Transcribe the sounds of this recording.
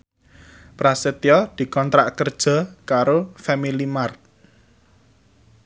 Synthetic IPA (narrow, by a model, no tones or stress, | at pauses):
pɾaset̪iɔd̪̥i̤kɔnt̪ɾa̰ʔkərd̥ʒ̥ɔ̤kaɾofɛmilimart̚